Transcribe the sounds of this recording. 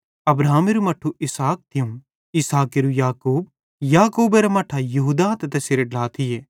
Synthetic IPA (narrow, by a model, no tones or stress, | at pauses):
ɐbɾaːmeɾumɐʈʰːuʔɪsaːk̚t̪ʰɪjũ | ɪsaːkeɾujaːkuːb̚ | jaːkuːbeɾamɐʈʰajɐɦuːd̪at̪ɛt̪ɛseɾeɖlaːt̪ʰɪjeː